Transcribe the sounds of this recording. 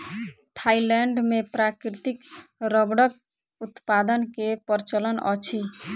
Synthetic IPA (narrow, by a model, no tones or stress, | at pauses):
t̪ʰailɛɳɖmepɾakɾit̪ikɾəbɽək̚ | ut̪pad̪ənkepəɾt͡ʃələnɔ̰t͡ʃʰi